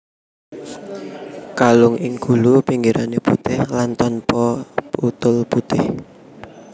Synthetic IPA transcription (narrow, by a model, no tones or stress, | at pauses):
kalʊŋɪŋɡ̥ṳlupiŋɡiɾaneput̪ɪhlant̪ɔnpɔput̪ʊlput̪ɪh